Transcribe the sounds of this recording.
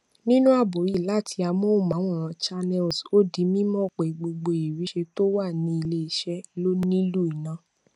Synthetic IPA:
nĩ˦nũ˦a˦˨bo˨ji˦˨la˦˨tʰi˧a˧mɔ̃˦o˦˨mã˨˦w̃ɔ̃˦˨ã˨˧t͡ʃa˧nɛ˧˨lso˦di˨˦mĩ˦mɔ̃˦˨k͡pe˨i˨ɡ͡bo˧ɡ͡bo˧i˨ɾi˨˦ʃe˧to˦wa˦˨nĩ˧i˧le˧i˨ʃɛ˦lo˦nĩ˦lu˦i˨nã˨˦

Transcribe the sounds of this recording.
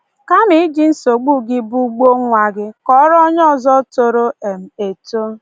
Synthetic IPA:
ka˦mi˦i˦d͡ʒi˦n̩˦so˨ɡ͡bu˦ɡɪ˦bu˦ɡ͡bo˦ŋʷa˨ɡɪ˦kɔ˦ɾɔ˦ɲɔ˦˨zɔ˦to˨ɾo˦e˨m̩˨e˨to˦

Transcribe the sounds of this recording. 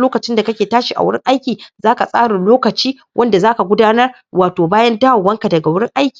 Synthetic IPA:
loː˦kɐ˨t͡ʃɪ˦nda˨kɐ˦kʲeː˨taː˦ʃi˨ʔa̰˨wʊ˦ɽɪ̰˦ŋʔa˦jkʲiː˨zaː˦ka˨sʼa̰ː˦ɽa˨loː˦kɐ˨t͡ʃiː˦ | wʔɐ˦nda˨zaː˦ka˨ɡʷʊ˦daː˦nɐ˦r | waː˨toː˨baː˦jɐ˦nta˦a˨wːɐ˦ŋka˨dɐ˨ɡa˨wʊ˦ɽɪ˦ŋʔa˦jkʲiː˨

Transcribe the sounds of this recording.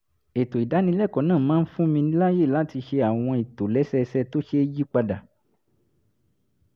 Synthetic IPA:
e˨to˨i˨da˨˦nĩ˧˦lɛ˦˨kɔ˨˦nãː˦˨mãː˨˦n̩˦fũ˦mĩ˧ĩ˦la˦je˦˨la˨˦ti˧ʃe˧a˨w̃ɔ̃˧i˨to˨lɛ˨˦sɛ˦˧sɛ˧to˦ʃe˧˦d͡ʒi˦k͡pa˧da˨

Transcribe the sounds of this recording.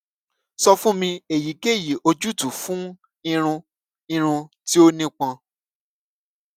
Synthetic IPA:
sɔ˧fũ˦mĩ˧e˨ji˨˦ɡe˦˨ji˨ʔo˧d͡ʒu˦tũ˨fũ˦ | ĩ˧ɾ̃ũ˧ | ĩ˧ɾ̃ũ˧ti˦o˦nĩ˦k͡pã˧

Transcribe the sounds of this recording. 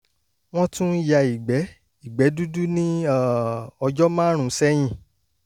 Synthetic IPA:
w̃ɔ̃˦tũ˦ja˨i˨ɡ͡bɛ˨˦ | i˦˨ɡ͡bɛ˨˦du˦du˦nĩ˦a˦˨ɔ˧d͡ʒɔ˦mãː˦ɾ̃ũ˨˦sɛ˦j̃ĩ˦˨

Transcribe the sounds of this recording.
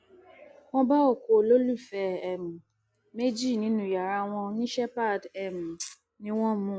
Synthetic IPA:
wɔ̃˦ba˦o˦˨ko˨lo˦lu˦˨fɛ˧ɛ˨mũ˨ | me˦d͡ʒi˦˨nĩ˦nũ˦ja˨ɾa˧w̃ɔ̃˧nĩ˦ʃɛ˦pa˦˨dɛ˨mũ˨ | nĩ˦w̃ɔ̃˦mũ˦˨

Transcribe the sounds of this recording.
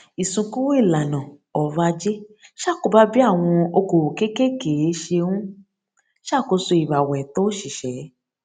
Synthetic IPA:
i˨sũ˧ku˦wo˦i˦˨la˨nã˨ | ɔ˨va˧d͡ʒe˦ʃa˦˨ko˧˦ba˦bi˦a˦˨w̃ɔ̃˧o˧ko˨wo˨ke˦ke˦ke˨e˨˦ʃe˧wũ˦ | ʃa˦˨ko˧˦so˧i˨ba˨wɛ˨to˦ʃi˨ʃɛ˨˦

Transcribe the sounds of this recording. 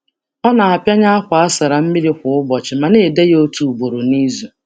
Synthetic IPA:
ɔ˦na˨a˨pja˦ɲa˦a˦kʷʊ˨a˦sa˨ɾa˨m̩˦mi˦ɾi˦kʷʊ˨˦ʊ˦bɔ˨t͡ʃɪ˨ma˨ne˦˨de˦jo˦tu˨u˨bo˨ɾo˨ni˦zu˨

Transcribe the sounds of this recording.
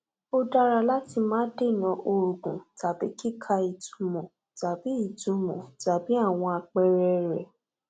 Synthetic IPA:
o˧da˧ɾa˧la˦ti˧mãː˦de˦˨nã˨˦ʔo˧ɾu˨ɡũ˨ta˨bi˨˦ki˦kʰa˧i˨tũ˧mɔ̃˨ | ta˨bi˨˦i˦˨tũ˨˧mɔ̰̃˨ta˨bi˨˦a˦˨w̃ɔ̃˧a˧k͡pɛ˧ɾɛ˧ɾɛ˨

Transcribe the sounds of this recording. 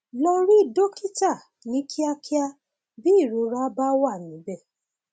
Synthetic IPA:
lɔ˧ɾi˦˨do˦ki˦ta˦˨ | nĩ˨˦kʰi˦a˧kʰi˦a˧ | bi˦˨ɾo˨˧˦ɾa˦ba˦wa˦˨nĩ˨˦bɛ˦˨

